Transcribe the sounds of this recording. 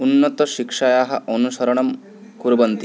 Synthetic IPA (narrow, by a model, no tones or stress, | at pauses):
unːɐt̪ɐʃikʂɐjaːɦɐʔɐnuʃɐɾɐɳɐm | kuɾbɐnt̪i